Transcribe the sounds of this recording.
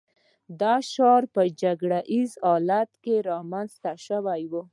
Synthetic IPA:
d̪ɑʃɑɾpəd͡ʒaɡɽaʔizɑlat̪keɾɑmanzt̪aʃəwajwu

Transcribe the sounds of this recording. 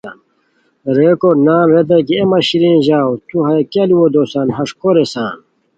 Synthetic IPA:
n | ɾeːkoɾnaːlwed̪̬ɐkiemɐɕiɾĩnʑaːwt̪uɦɐekeliwod̪oːsanɦɐʂkoɾesaːn

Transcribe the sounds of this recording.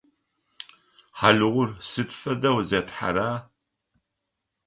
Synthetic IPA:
ħalɨʁʷʊrsɨtfɐdɐwzɐtħa̰ɾaː

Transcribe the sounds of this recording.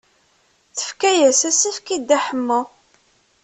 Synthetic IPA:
θə̥fkæjæsæsæfkid̪ːæħəmːə

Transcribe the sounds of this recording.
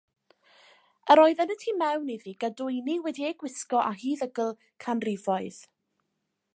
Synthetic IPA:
əɾɔɨðɛnətʰiːmɛwniðiɡadʊɨniwɛdieɡwɪskɔʔaɦiːðəɡəlˠ | kʰanrɪvɔɨð̥

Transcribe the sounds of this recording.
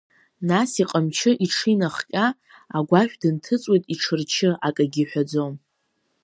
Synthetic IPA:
nasiqʼəmt͡ʃʰɪʔiʈ͡ʂʰinaχkʲʼaː | ɡʷaʃᶣdɨntʰɨt͡sʼwejtʼiʈ͡ʂʰɨrt͡ʃʰɪʔakʼaɡʲɪħʷᶣad͡zom

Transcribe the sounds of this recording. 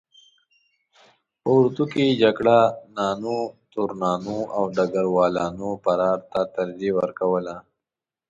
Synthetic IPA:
pəɾt̪uked͡ʒaɡɽanɑːnut̪uɾnɑːnuawɖaɡaɾwɑːlɑnopaɾɑːɾt̪at̪aɾd̪iwəɾkawəla

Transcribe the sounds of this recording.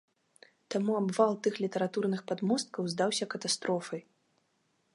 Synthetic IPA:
t̪amuabvalˠt̪ɨxlʲit̪ɐɾat̪urnɨxpad̪mɔst̪̚kɐwzd̪awsʲɐkɐt̪ast̪ɾɔfɐj

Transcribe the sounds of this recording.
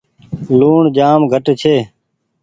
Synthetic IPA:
luːɳd͡ʒaːmɡʱəʈt͡ʃʰeː

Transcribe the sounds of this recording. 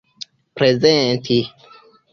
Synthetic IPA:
pɾezentʰi

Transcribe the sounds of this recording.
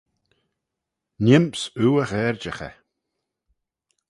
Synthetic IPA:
nɪmpsuːəɣɛːɹd͡ʒəxɛ̰

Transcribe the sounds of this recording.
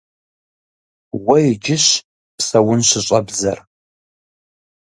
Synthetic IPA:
wɐjɪd͡ʒɪɕ | psɐwʊnɕɪɕʼɐbzɐ̰r

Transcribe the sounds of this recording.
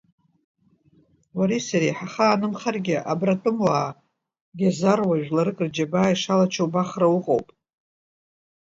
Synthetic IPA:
waɾisaɾijħaχaːnɨmχarɡʲɪʔabratʼɨmwaː | ɡʲazarwaʒᶣlaɾɨkʼrd͡ʒabaːiʂalat͡ʃʰowbaχrawʊqʼowpʼ

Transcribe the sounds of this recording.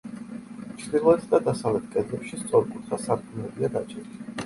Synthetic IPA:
t͡ʃʰɾd̪ilˠɔɛt̪ʰd̪ad̪asavlɛt̪̚ʰkʼɛd̪lɛpʃist̪sʼɔɾkʼut̪ʰχasaɾkʰʼumlɛbiad̪at͡ʃʰʼɛɾli

